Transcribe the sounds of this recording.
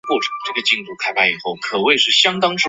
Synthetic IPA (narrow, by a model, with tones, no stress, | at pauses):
kwɔ˥˩ʈ͡ʂʰɤ̥˧˩ŋʈ͡ʂɤ˥˩ɡə˩t͡ɕi˥˧ŋʈ͡ʂu˥˩kʰa˥ɪpʰa˧˥ɪi˨˩xo˥˩ʊkʰɤ˨˩we˥˧ɪʂɻ̩˥˩ɕjɑ˥ŋt̪ɑ˥ŋʈ͡ʂ